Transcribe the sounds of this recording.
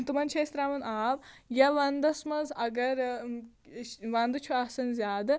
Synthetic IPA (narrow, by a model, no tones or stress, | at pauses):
t̪umɐnt͡ʃʰeːst̪ɾaːmɐnʔaːbjɐʋɐnd̪ɐsmɐzɐɡɐɾ | ʋɐnd̪ɨt͡ʃʰuɐsɐnzʲjaːd̪ɨ